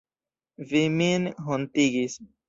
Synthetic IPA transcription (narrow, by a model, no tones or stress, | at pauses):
viminɦontiɡis